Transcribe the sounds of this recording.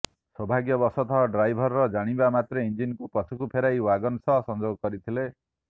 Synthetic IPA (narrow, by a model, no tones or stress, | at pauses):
sɔbʱaɡjɔbɔsɔt̪ʰɔɦɔɖɾajbʱɔɾːɔd͡ʒaɽ̃ibamat̪ɾeind͡ʒinkupɔsukupʰeɾajwaɡɔnsɔɦsɔnd͡ʒoɡɔkɔɾit̪ʰile